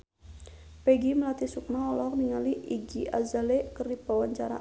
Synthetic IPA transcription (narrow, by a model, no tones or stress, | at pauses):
pɛɡiməlat̪isuk̚naɔlɔrniŋaliʔiɡiʔa̰zalɛkərdipawaɲt͡ʃaɾa̰